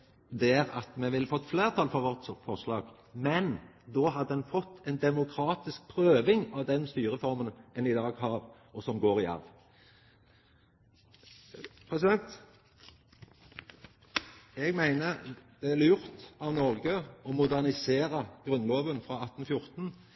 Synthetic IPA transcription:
d̪ɛæʁɑt̪mɛʋɪlfɔt̪ːfleːʁt̪ʰɑlfɔʋɔʁt̪ɔfɔʁslɑːɡ | mɛnd̪oːɦɑd̪ːəd̪ɛnfɔt̪ʰːɛnd̪ɛmʊkʰɾɑːt̪ɪsk̚pʰɾøːʋɪŋɑʋd̪ɛnst̪yːʁəfɔɾmənɛnɪd̪ɑːɡhɑːɾ | ɔsɔmɡoːɾɪɑ̰ɾʋ | pʰɾɛsɪd̪ɛnt̪ | ɛɡmæɪnəd̪̥ɛæljʊɾt̪ɑʋnɔʁɡəɔmʊd̪æʁnɪseːɾəɡ̥ɾʉnloːʋənfɾɑɑt̪ːn̩fjʊɾt̪n̩

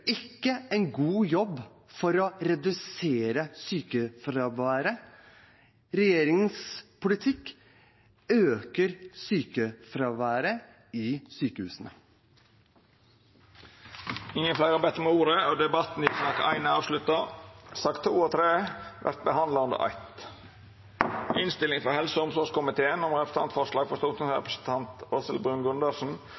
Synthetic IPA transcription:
ɪkːəæɪnɡuːjɔbː | fɔɾɔɾɛd̪ʉseːɾəsyːkəfɾɑʋæːɾə | ɾɛjeːɾɪŋəspʰʊlɪt̪ʰɪkː | øːkəɾsyːkəfɾɑːʋæːɾə | ɪsyːkəhʉ̰ːsənə | ɪŋːənflæɪɾɑbɛt̪ːɾəmɛuːɾəod̪ɛbɑt̪ːn̩ɪsnɑkæɪnəɑːʋʂlʉt̪ɑsɑkt̪ʰːuːoːt̪ʰɾeːʋæ̰ɾt̪̚bəhɑnd̪lɑɔnd̪ə̰ɾʔɑ̰ɪt̪ | ɪnst̪ɪlɪŋfɔɾhɛlsəɔmsɔːʂkʊmɪt̪ʰeːənɔmɾɛpɾəsnɑ̰nt̪fɔʂlɑːɡfɔʂt̪uːt̪əsɾɛ̰pɾəsənt̪ʰɑnt̪oːsəlbɾʉːnɡʉnd̪ɑʂn̩

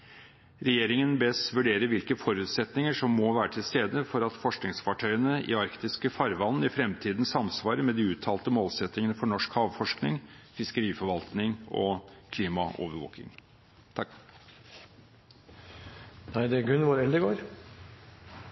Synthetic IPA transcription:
ɾɛjeːɾɪŋənbɛsʋʉɖeːɾəɾʋɪlkəfɔɾʉːt̪sɛt̪nɪŋəʂɔmːɔʋæːɾəʈʰɪlst̪eːd̪əfɔɾɑt̪fɔʂknɪŋsfɑʈʰœʏənəɪ̰ɑɾkt̪ɪskəfɑɾʋɑnːɪfɾɛmt̪ʰiːd̪n̩sɑmsʋɑːɾəmɛd̪iːʉːt̪ʰːɑːlt̪əmoːlsɛt̪nɪŋənəfɔɳɔʂkhɑːʋfɔʂknɪŋfɪskəɾiːfɔɾʋɑlt̪nɪŋɔ̰kʰliːmɑʔo̰ːʋəɾʋo̰ːkɪ̰ŋ | t̪ʰɑ | næɪd̪ɛɡʉnʋɔɾɛld̪əɡoːɾ

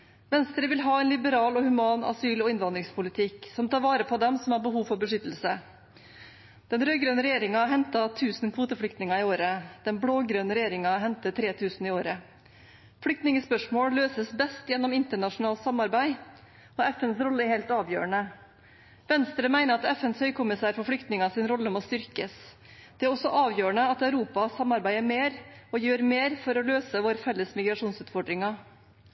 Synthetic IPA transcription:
ʋɛnst̪ɾəʋɪlɦɑːɛɪnlɪbəɾɑːlɔhʉmɑːnɑ̰syːlɔɪnʋɑnd̪ɾɪŋspʊlɪt̪ʰɪksɔmt̪ʰɑːɾʋɑːɾəpʰɔd̪ɛmsɔmæbəɦuːʋfɔɾbəʂʏt̪əl̩sə | d̪̥ɛnɾøːɡɾøːnəɾɛjeːɾɪŋɑɦɛnt̪ɑt̪ʰʉːsn̩kʰʋuːt̪əfɽʏkt̪nɪŋɑɪoːɾəd̪̥ɛnbɽoːɡɾøːnəɾɛjeːɾɪŋɑɦɛnt̪ət̪ʰɾeːt̪ʰʉːsnɪoːɾə | fɽʏk̚t̪nɪŋəspœʂmoːɽløːsəsbɛst̪jɛnːɔmɪnt̪əɳɑʂʊnɑːlt̪sɑmːɑɾbæɪ | ɔɛfɛnsɾɔlːəɛɾhɛːlt̪ɑːʋjø̰ːəɳə | ʋɛnst̪ɾəmæɪnəɾɑt̪ɛfɛnshœʏkʰʊmɪsæːɾfɔɾfɽʏkt̪nɪŋɑsɪnɾɔlːəmɔst̪ʏɾkəs | d̪̥ɛæɾɔsɔʔɑːʋjøːəɳəɑt̪œʉɾuːpɑsɑmːɑɾbæɪəmeːɾɔjøːɾmeːɾfɔɾɔløːsəʋoːɾfɛlːəsmɪɡɾɑʂuːnsʉːt̪fɔɖɾɪŋɑ

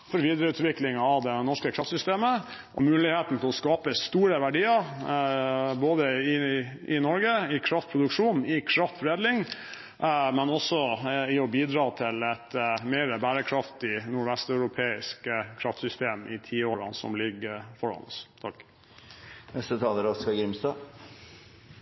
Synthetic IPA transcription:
fɔɾʋiːd̪ɾəʉːt̪ʋɪklɪŋɑɑʋd̪ɛnɔʂkəkʰɾɑft̪sʏst̪eːməʔɔ̰mʉːlɪheːt̪n̩t̪ʰɛlɔskɑːpəst̪uːɾəʋæɖiːəɾ | boːd̪əɪ | ɪnɔɾɡəɪkʰɾɑft̪̚pʰɾʊd̪ʉkʂuːnɪkʰɾɑft̪fɾeːd̪lɪŋ | mɛnɔsɔɪɔbiːd̪ɾɑːt̪ʰɪlɛt̪mɛːɾəbæːɾəkʰɾɑft̪ɪnʊɖʋɛst̪œʉɾʊpʰeːɪskkʰɾɑft̪sʏst̪eːmɪt̪ʰiːoːɾɑ̰nsɔ̰mlɪɡəfɔɾɑ̰nə̰st̪ʰɑkː | nɛst̪ət̪ʰɑːləɾɔskɑɡɾɪmst̪ɑː

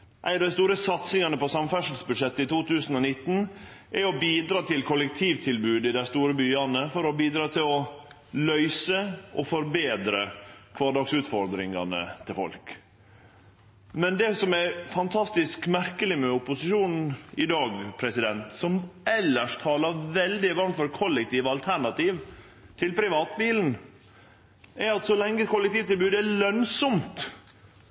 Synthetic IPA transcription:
ʔæ̰ɪnɑd̪æɪst̪uːɾəsɑt̪sɪŋɑnəpɔsɑmfæʂəlsbʉd̪ʂɛt̪ːəɪt̪uːt̪ʰʉːsn̩ɔnɪt̪ːn̩ʔɛɾɔbiːd̪ɾɑːt̪ʰɪlkʰɔlɛk̚t̪ʰiːʋt̪ʰɪlbʉːd̪ɪd̪æɪst̪uːɾəbyːɑnəfɔɾɔbiːd̪ɾɑːt̪ʰɪlɔ | lœʏsəʔɔfɔɾbeːd̪ɾəkʰʋɑːɖɑksʉːt̪fɔɾd̪ɾɪŋɑnə̰t̪ʰɪlfɔ̰lk | mɛnd̪ɛsɔmæɾfɑnt̪ʰɑst̪ɪskmæɾkəlɪmɛʊpʊsɪʃuːnn̩ɪd̪ɑːɡpʰɾɛsɪd̪ɛnt̪sɔmʔɛlːəʂt̪ʰɑːlɑɾʋɛld̪ɪʋɑɾmt̪fɔɾkʰɔlːɛk̚t̪iːʋɑlt̪ʰæɳɑt̪iːʋ | t̪ʰɪlpʰɾɪʋɑːt̪biːln̩ | æɾɑt̪sɔlɛŋːəkʰɔʊlːɛk̚t̪iːʋt̪ɪlbʉːd̪ælœnsɔmt̪

